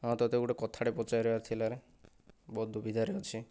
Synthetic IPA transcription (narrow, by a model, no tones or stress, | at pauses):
ɦɔ̃t̪ɔt̪eɡuʈekɔt̪ʰaɽepɔt͡ʃajɾɔat̪ʰilaɾe | bɔd̪ʱːubʱid̪ʱaɾeɔt͡ʃʰi